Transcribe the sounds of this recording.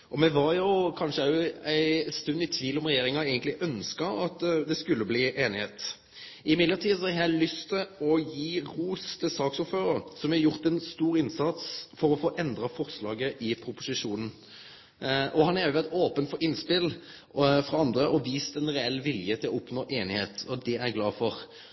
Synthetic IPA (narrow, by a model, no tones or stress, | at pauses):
ʔɔmɛʋɑɾjʊkʰɑnʂəɑæɪst̪ʉnːɪt̪ʰʋiːlɔmʁɛjeːʁɪŋɑæɪɡənt̪lɪʔœnskɑɑt̪d̪ɛskʉlːəbliːʔeːnɪheːt̪ | ɪmɪd̪ləʁt̪ʰiːsɔhɛæɪlʏst̪ʰɪɔjiːʁuːst̪ʰɪsɑːksʊføːɾəɾsɔmæjʊʁt̪ɛnst̪uːɾɪnsɑt̪sfɔɾɔfoːʔɛnd̪ɾɑfɔʁslɑːɡəʔɪpʰɾʊpʊsɪʂuːnən̩ | ʔɔhɑnæɾjʊɛt̪oːpənt̪fɔɪnspɪl | fɾɑɑnd̪ɾəʔɔʋiːst̪ɛnʁɛɛlːʋɪljət̪ʰɪlɔʊpnoːʔeːnɪheːt̪ɔd̪ɛæɾɡlɑːfɔʁ